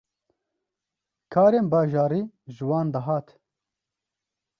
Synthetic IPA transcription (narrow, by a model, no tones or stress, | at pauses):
kʰaːɾeːnbɑːʒɑːɾiː | ʒɨwɑːnd̪ɐɦɑːt̪